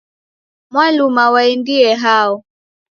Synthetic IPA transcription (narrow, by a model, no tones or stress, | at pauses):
mwalumawaɛndiɛɦaɔ